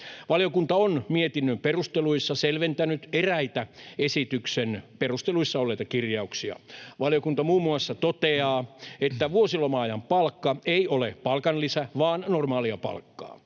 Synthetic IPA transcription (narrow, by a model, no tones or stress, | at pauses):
ʋɑljokunt̪ɑonmiet̪inːømperust̪eluisːɑselʋent̪ænyt̪eræit̪æesit̪yksenperust̪eluisːɑolːeit̪ɑkirjɑuksiɑ̰ʋɑljokunt̪ɑmuːmːuɑsːɑt̪ot̪eɑːet̪ːæʋuosilomɑːjɑmpɑlkːɑeiolepɑlkɑnlisæʋɑːnnormɑːliɑpɑ̰lkːɑ̰ː